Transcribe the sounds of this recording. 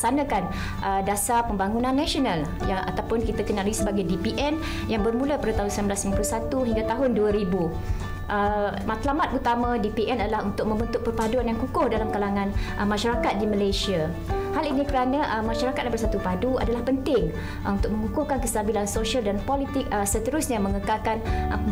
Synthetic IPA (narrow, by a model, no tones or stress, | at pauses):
sanãkan | ʔədasapəmbaŋunãnːaʃional | jaʔa̰t̪awpʊnkit̪akənaləɡisəbaɡajdipiʔɛn | jaŋbərmuləpadat̪aɦʊnsəlamblasimampəlusat̪uɦiŋɡat̪aɦʊnduəɾibu | ʔəmat̪lamat̪̚ut̪amãdipiʔɛnadalahunt̪ʊk̚mə̃mbənt̪ʊʔ̚pərpaduanjaŋkukʊhdalamkalaŋãnʔəmãʃaɾakat̪̚diməlajsia | halinikəɾanaʔəmaʃaɾakat̪̚abərsat̪upadua̰dalahpənt̪ɪŋ | unt̪ʊk̚mə̃ŋukʊhkankəst̪abilansoʃaldanpɔlit̪ɪk̚əsət̪əɾʊsɲamə̃ŋəkakan